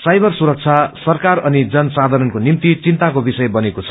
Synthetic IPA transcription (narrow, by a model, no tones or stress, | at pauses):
sajbʱʌrsuɾʌk̚t͡sʰasʌrkarʌnid͡zʌnsad̪ʱʌɾʌnkonimt̪it͡sint̪akobisʌjbʌnekot͡sʰʌ̥